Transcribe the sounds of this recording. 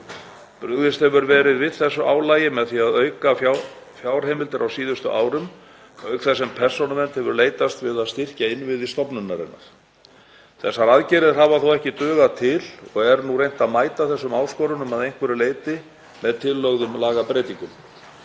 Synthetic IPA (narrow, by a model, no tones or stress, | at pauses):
pɾʏɣðɪst̪hɛvʏɾvɛːɾɪðvɪðθɛsːʏʔaːwlaːjɪmɛðθiaðœɥkaf | fjaːwɾ̥ɦejmɪlt̪ɪɾʔawsiːðʏst̪ʏʔaːwɾʏm | œːɥkθɛsːɛmpʰɛr̥sonamɛnt̪hɛvʏɾleːjt̪ast̪vɪðaðst̪ɪr̥caɪnvɪðɪst̪ɔpnʏnːaɾɪ̰nːa̰ɾ̥ | θɛsːaɾaðcɛɾɪð̥ɦaːvaθowɛhcɪt̪œːɣat̪ʰɪlɔɣɛɾnurejn̥t̪aðmaːjt̪aθɛsːʏmaːwskɔːɾʏnʏmaðejŋkʰvɛɾʏleːjt̪ɪ | mɛðt̪ʰɪlːœɣðʏmlaːɣapɾeːt̪iŋkʏm